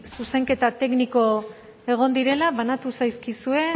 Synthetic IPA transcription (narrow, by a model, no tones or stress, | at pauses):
suse̞ŋke̞t̪at̪e̞kniko̞ | e̞ɣ̞o̞nd̪iɾe̞laβanat̪usajskisue̞